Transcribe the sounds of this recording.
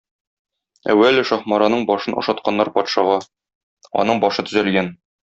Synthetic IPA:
æ̰wːælɘʃɒχmɑɾɑnɤɴbɒʃɤnʔŏ̰ʃɑt̪̚qɑnːɑɾpɒt̪ʃɑʁɑ | ɒ̰nɤɴbɒʃɤt̪ɵ̥̆zælɡæn

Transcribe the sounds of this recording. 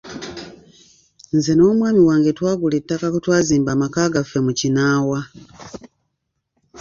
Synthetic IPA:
nzenoːmwaːmiwaːŋɡetwaːɡulitːakakutwaːziːmbamakaɡafemucinaːwa

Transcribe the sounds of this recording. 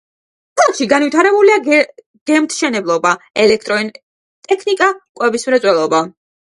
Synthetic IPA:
tʰalˠkʃiɡanvwit̪ʰaɾɛbulia | ɡ̥ɛmt̪ʰʃɛnɛblˠɔbaɛlɛk̚ʰt̪ʼɾɔin | t̪ʼɛkʰnikʼakʼwɛbismɾɛt̪sʼwɛlˠɔba

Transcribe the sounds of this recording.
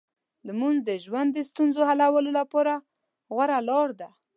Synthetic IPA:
ləmunzd̪əʒwand̪ːəst̪unzoɦalawəlolapɑɾa | ɣwaɾalɑɾd̪a

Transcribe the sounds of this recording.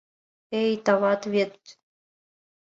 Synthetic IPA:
ejt̪ɑβɑt̪βʲet̪

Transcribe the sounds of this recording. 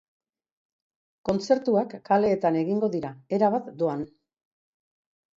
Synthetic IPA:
ko̞nt͡se̞ɾt̪uakːale̞ːt̪ane̞ɣiŋɡo̞ðiɾae̞ɾaβat̪d̪oan

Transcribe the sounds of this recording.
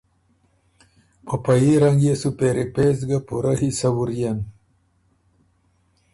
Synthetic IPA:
pəpajiɾaŋɡjesupeɾipezɡapuɾahisɐwuɾjan

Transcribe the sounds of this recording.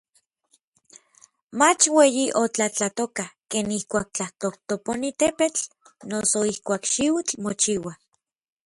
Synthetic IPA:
mat͡ʃweːjiʔot͡ɬat͡ɬat̪okakeːnihkʷaːk̚t͡ɬaht̪oht̪oponit̪epet͡ɬ | nosoihkʷaːkʃiwit͡ɬmot͡ʃiwa

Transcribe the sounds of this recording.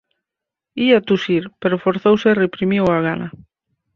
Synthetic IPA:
iat̪usiɾpeɾofoɾθowserepɾimiwaɣana

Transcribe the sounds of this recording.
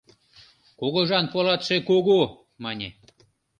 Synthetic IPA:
koɣoʒɑnpolɑt̪ʃekoɣo | mɑnʲe

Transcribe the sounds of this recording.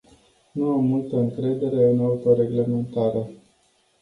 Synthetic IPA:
nuamːult̪əɨŋkɾe̞d̪e̞ɾe̞ɨnaut̪oɾe̞ɡle̞me̞nt̪aɾe

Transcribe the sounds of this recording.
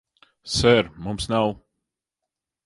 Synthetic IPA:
sɛɾmɔmsnaw

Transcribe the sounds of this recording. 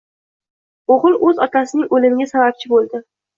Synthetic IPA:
oʁɨlˠɵzɒt̪ʰasɪnɪŋolɪmɪɡʲasabap̚t͡ʃʰɪbolˠd̪ɪ

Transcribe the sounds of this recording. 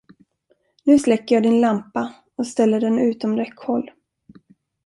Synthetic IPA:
nʉ̟ːslɛkːəjɑːd̪ɪnlampa | ɔst̪ɛlːəɖɛnʉ̟ːt̪ɔmɾɛkːhɔlː

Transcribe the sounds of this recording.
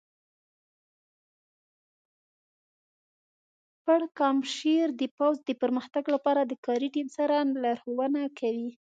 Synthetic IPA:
pəɽkɑmʃeɾd̪əpawzd̪əpəɾməxt̪aɡlapɑɾad̪əkɑɾiʈimsaɾalɑɾxowənakʰawi

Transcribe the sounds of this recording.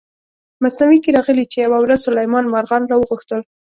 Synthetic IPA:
masnawikeɾɑɣəlit͡ʃejawawɾazsʊlajmɑnmaɾɣɑnɾɑwəɣuxt̪əl

